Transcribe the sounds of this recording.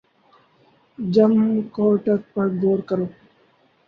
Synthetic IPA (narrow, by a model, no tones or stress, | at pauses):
d͡ʒɐmkoːʈək̚pɐɾɡoːɾkəɾoː